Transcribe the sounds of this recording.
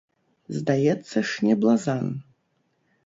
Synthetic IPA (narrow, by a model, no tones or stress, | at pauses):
zdajɛt͡sʰːaʂnʲeblazan